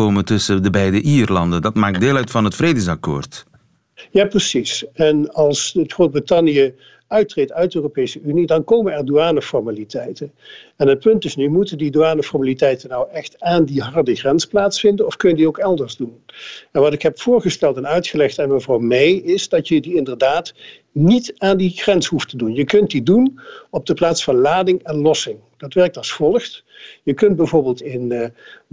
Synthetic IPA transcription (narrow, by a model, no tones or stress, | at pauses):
oːməntɵsədəbɛjdəʔiːrlɑndəndɑtmaːk̚deːlœɥtfɑnɦətfredəsɑko̰ːrt | jaːprəsisɛnɑlˠsətχrod̚britɑnjə | œɥt̚trejtœɥt̚dəøːropejsəynidɑnkoːmənɛɹduaːnəfɔɹmalitʰɛjtənɛnɦət̚pɵntɪsnymutəndiduaːnəfɔɹmalitɛjtənɔwɛxtaːndiɦɑɹdəɣrɛnsplaːtsfɪndənɔfkɵnjədiowkɛlˠdəɹzdunɛnʋɑtɪkɦɛpfʊːɹχəstɛlˠtɛnœɥtχəlɛxtanməvrɔwmejɪzdɑtjədiɪndəɹdaːt | nitaːndixrɛnshuftədunjəkɵnt̚didunɔb̚dəplaːtsfɑnlaːdɪŋɛnlɔsɪŋ | d̥ɑtʋɛɹk̚tɑsfɔlˠəxt | jəkɵnt̚bɛjvʊːɹbɪːlˠtɪn